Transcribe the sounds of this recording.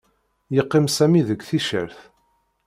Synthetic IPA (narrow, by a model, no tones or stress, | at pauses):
jəqːɪmsæmiðəɡʷθiʃə̰ɾθ